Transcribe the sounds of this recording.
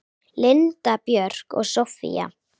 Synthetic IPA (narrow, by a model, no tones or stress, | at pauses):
lɪnt̪apjœɾ̥kɔ̰ɣsɔfḭja̰